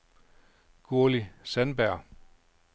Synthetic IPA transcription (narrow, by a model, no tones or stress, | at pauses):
ɡ̥uɐlisænb̥æɐ̰